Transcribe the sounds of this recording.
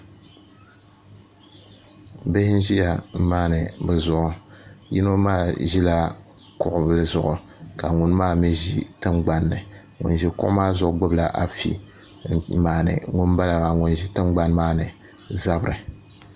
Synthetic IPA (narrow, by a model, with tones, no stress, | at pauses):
be˦hɪ˦n˦ʒi˦ja˨m̩˦maː˦nɨ˨bɨ˨zʊ˨ʔʊ˨ji˦no˦maː˦˨ʒi˦la˦ | kʊ˨ʔʊ˨bɨ˦lɨ˦zʊ˨ʔʊ˨ | ka˨ŋʊ˨n˦maː˦mi˦ʒi˦tɨ˦mɡ͡ba˦nːɨ˨ | ŋʊ̰˨nʒi˨kʊ̰˦ʔʊ̰˦maː˦zʊ˨ʔʊ˦ɡ͡bo˦bla˨ʔa˨fḭ˨ | maː˨nɨ̰˨ŋʊ˦nba˦la˨a˨ŋʊ˨nʒi˦tɨ˦mɡ͡ba˦nmaː˦nɨ˨ | za˦bɨ˨ɾɨ˨